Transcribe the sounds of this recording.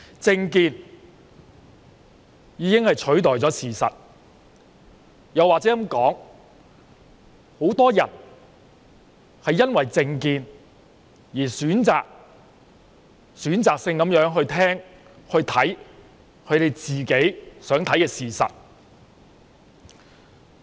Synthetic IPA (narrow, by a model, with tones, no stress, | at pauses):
t͡sɪ˧ŋkiː˧n | jiː˨˧˥kɪ˥ŋhɐ˨jt͡ʃʰɵ˨˥ɥt̪̬ɔː˨jt͡sɔː˨˥siː˨˩sɐ̰˨t̚ | jɐ˨wːaː˨k̚t͡sɛː˨˥ɐ˨˥mkɔː˨˥ŋ | ho˨˥wt̪ɔː˥jɐ̰˨˩n | hɐ˨jːɐ˥nwɐ˨jt͡sɪ˧ŋkiː˧n | jiː˨˩syː˨˥nt͡sa̰ː˨k̚ | syː˨˥nt͡saː˨k̚sɪ˧ŋkɐ˨˥mjœː˨˥ŋɦɵ˧ɥt̪ʰɛː˥ŋ | hɵ˧ɥt̪ʰɐ˨˥j | kʰɵ˨˧ɥt̪e˨jt͡siː˨ke˨˥jsœː˨˥ŋt̪ʰɐ˨˥jkɛː˧siː˨sɐ̰˨t̚